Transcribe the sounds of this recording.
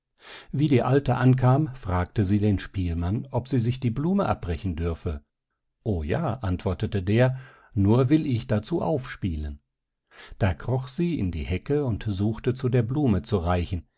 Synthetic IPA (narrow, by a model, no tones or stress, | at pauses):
viːdiːʔaltəʔankʰaːmfʁ̥aːk̚təziːdeːnʃpiːlmanʔɔpz̥iːzɪçd̥iːbluːməʔa̰p̚bʁɛçn̩dʏɐfə | ʔoːja̰ːʔantv̥ɔɐtətədeːɐ | nuːɐvɪlɪçd̥at͡suːʔa̰ʊfʃpiːlən | d̥aːkʁ̥ɔχz̥iːɪ̰ndḭːhɛkəʊntzuːxtət͡sudeːɐbluːmət͡suʁaɪçn̩